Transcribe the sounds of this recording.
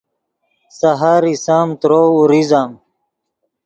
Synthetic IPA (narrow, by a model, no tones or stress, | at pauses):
saɦaɾisamt̪ɾoːuɾizaːm